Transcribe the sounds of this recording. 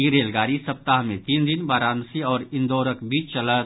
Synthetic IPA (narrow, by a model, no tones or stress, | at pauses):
iɾeːlɡaːɾisɐp̚t̪aɦmẽt̪iːnd̪ɪnbaːɾaːnsiɔːɾɪ̃nd̪oːɾəkbʱiːt͡ʃt͡ʃɐlət̪